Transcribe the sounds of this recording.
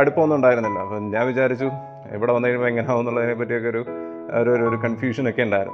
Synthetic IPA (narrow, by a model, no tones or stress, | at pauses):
ɐɽupːɐʋɐnːuɳɖaːjiɾunːilːɐ̰ɐpːoɲaːnʋit͡ɕaːɾit͡ɕːu | ḛʋiɽeʋɐnːɐiumoeŋːɐneaːʋunːuɭɐðinep̬ːɐtːijokːeoɾu | o̰ɾoɾoɾukɐnfjuːʂɐno̞kːe̞uɳɖaːjiɾunː